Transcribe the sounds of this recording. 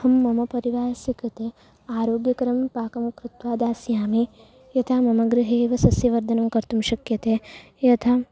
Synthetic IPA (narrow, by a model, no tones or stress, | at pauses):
hɐmːɐmɐpɐɾiʋaːsɐkɐt̪eː | aːɾoːɡjɐkɐɾɐmpaːkɐmkɾut̪ʋaːd̪aːsjaːmi | jɐt̪ʰaːmɐmɐɡɾɪɦeːʋɐsɐsjɐʋɐɾd̪ʱɐnɐmkɐɾt̪umʃɐkjɐt̪eː | jɐt̪ʰaː